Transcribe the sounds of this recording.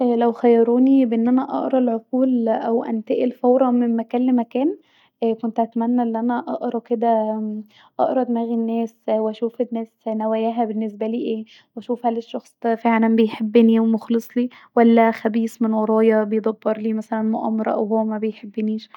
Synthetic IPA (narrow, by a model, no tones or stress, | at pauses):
ʔlæwxæjːɑɾˤuːnibeʔenːʔænæʔɑ̰ʔɾˤɑlʕoquːlʔæwʔæ̰nt̪eʔelfɑwɾˤɑmemmækæːnlemækæːn | ʔkont̪ʔæt̪mænːæʔenːʔænæʔɑʔɾˤɑked̪æ | ʔɑ̰ʔɾˤɑd̪mæːɣinːæːswæʃuːfenːæːsnæwæjæːɦæbenːes̬bæliːʔeː | wæʃuːfhæːleʃːɑxsˤfeʕlæmbejħebːeniwemoxlesˤliː | wælːæxæbiːsˤmenwɑɾˤɑːjɑbejd̪ˤɑbːɑɾˤliːmæsælænmoʔɑ̰mɑɾˤɑʔæ̰whowːæmæbejħebːeniːʃ